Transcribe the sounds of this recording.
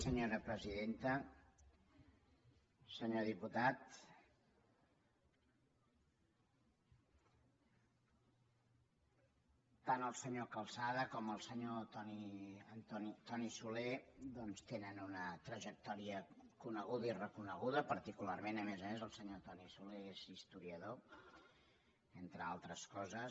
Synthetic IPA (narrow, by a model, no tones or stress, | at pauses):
səɲoɾəpɾəziðent̪ə | səɲoðiput̪at̪ | anəlˠsəɲokəlˠsaðəkɔməlˠsəɲot̪ɔniənt̪ɔnit̪ɔnisuled̪ɔnst̪enənunət̪ɾəʒək̚t̪ɔɾiəkunəɣuðəirəkunəɣuðəpəɾt̪ikularmenəmezəmezəlˠsəɲot̪ɔnisuleezist̪uɾiəðo | ent̪ɾəalˠt̪ɾəskɔzəs